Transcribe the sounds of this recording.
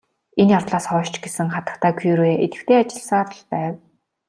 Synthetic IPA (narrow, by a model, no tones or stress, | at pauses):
enjawt̪ɮaːsχɔːʃt͡ɕɡesɘ̆ŋχat̪ə̆t̪ʰaːkʰujɾweːʔet̪ɘ̆kt̪ʰeːat͡ɕɪ̆ɮsə̆ŋaɾə̆ɮpæːw